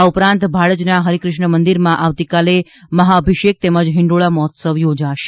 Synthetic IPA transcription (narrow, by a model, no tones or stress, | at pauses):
aupɾãnt̪bʱaɽəd͡ʒnaɦəɾikɾɪʃɳəmənd̪iɾmãʔaʋt̪ikale | məɦaəbʱiʃek̚t̪eməd͡ʒɦɪ̃ɳɖoɭamɔɦɔt̪səʋjod͡ʒaʃe